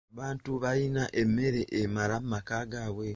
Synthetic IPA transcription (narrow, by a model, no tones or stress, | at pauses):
βaːntuβainaʔemːe̞ɾe̞ʔemaɾamumakaːɡawe̞